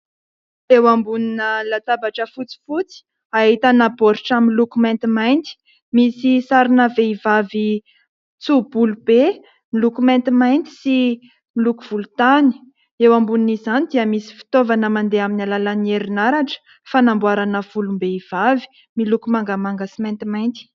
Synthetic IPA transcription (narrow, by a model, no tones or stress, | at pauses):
ewambuninəlat̪abaʈ͡ʂəfut͡si̥fut͡si̥ | aɦit̪anaboɾiʈ͡ʂamilukumɛ̃nt̪imajnt̪i̥ | misisaɾinəveivavi | t͡sub̥ulube | milukumɛ̃nt̪imajnt̪i̥si | milukuv̥ulut̪ani̥ | ewambuninizzanid̪iəmisi̥fi̥t̪ovanəmand̪eaminalalanieɾinaɾaʈ͡ʂə̥ | fanambwaɾanəfulumbeiv̥avi̥ | milukumaŋɡəmaŋɡəsimɛnt̪imajnt̪i̥